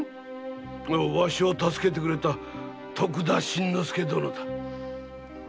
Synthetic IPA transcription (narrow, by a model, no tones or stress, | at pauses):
oβaɕiot̪asɨ̥ke̞t̪̬e̞kɯ̟ɾe̞t̪a | t̪ʰokɯ̟d̪aɕĩnːosɨ̥ke̞d̪onot̪ḁ